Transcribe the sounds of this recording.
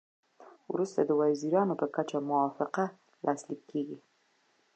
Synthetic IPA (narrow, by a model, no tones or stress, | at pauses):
wɾust̪ad̪əwaziɾɑnopəkat͡ʃamʊwɑfɪqa | lʔɑslikʰːeɡi